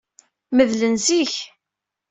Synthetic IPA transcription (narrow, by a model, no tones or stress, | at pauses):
məðlənziç